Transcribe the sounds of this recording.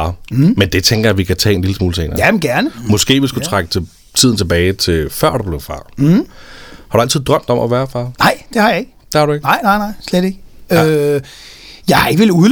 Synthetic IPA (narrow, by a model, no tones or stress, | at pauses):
mend̥et͡sʰeŋɡ̥ɐjæʋikʰæt͡sʰɛ̰ːenliləsmuːləsʰḛːnɐjæmenɡ̥æɐnəmɒ̽sɡ̥e̝̰ːʋisɡ̥u̥ut͡sʰʁaɡ̥ə̥t͡sʰe | t͡sʰið̞̰ˠn̩t͡sʰeb̥ɛːɪt͡sʰe̝fɶɐ̰d̥ub̥le̝ʊfɑ̈ː | hɑɾ̥uæl̰t͡sʰið̞ˠd̥ʁɶm̰d̥ɒ̽mʔæʋæːɐfɑ̈ːnɑ̈ɪ̰d̥e̝hɑ̈jɑ̈e̝ɡ̥əd̥e̝hɑ̈ɾue̝ɡ̥nɑ̈ɪ̰nɑ̈ɪnɑ̈ɪ̰sleɾ̥e̝ɡ̥əø | jɑ̈ɪhɑ̈e̝ɡ̥əʋeluðˠ